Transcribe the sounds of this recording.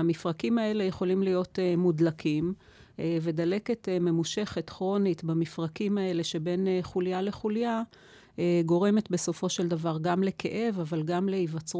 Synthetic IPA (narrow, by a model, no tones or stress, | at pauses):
amifʁakimae̞le̞jeχo̞limlijo̞temudlakʰim | ve̞d̪ale̞ke̞teme̞muʃe̞χetχʁo̞nitbamifʁakimae̞le̞ʃebe̞neχuljale̞χulja | eɡo̞ʁeme̞tbe̞so̞fo̞ʃe̞ld̪avaʁɡamle̞ke̞̰ʔe̞vavalɡamleivat͡sʁ